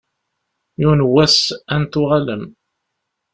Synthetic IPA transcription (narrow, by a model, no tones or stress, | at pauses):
junwːæsænt̪ʊʁaləm